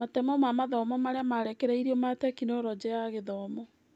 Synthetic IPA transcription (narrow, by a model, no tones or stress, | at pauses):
atɛmɔmamaðɔmɔmaɾeamaɾɛkɛɾaiɾiɔmatɛkinoɾɔd͡ʑɛaɣeðɔmɔ